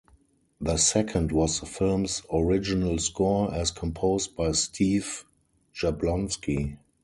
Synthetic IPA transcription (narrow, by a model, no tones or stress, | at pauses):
ðəsɛkʰə̃ndwɔsðəfɪlmsɔɹɪd͡ʒɪnəlskɔɛskʰɔ̃mpʰoʊst̚b̥aɪstʰiːv | ʒablɔ̃nski